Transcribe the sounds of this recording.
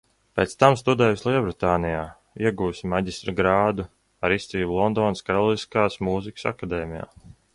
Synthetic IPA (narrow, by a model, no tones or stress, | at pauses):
peːt̪st̪amst̪ud̪ɛːjuslˠiɔbɾit̪aːnijaː | iɛɡuːsimaɟʲist̪ɾɡɾaːd̪u | aɾist̪iːblˠɔnd̪ɔːnskaɾɔlˠiskaːsmuːzikə̥sa̰kad̪ɛːmʲija̰ː